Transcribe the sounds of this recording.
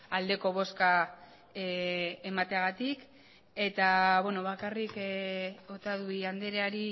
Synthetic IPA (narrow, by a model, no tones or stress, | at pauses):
ald̪e̞ko̞β̞o̞ska | emat̪eaɣat̪ik | e̞t̪aβweno̞βakarik | ot̪aðuiand̪e̞ɾeaɾi